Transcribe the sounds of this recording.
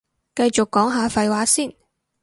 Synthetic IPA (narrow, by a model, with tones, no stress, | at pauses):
kɐ˧jt͡ʃʊ˨kːɔː˨˥ŋɦaː˨˧fɐ˨jwaː˨˥siː˥˩n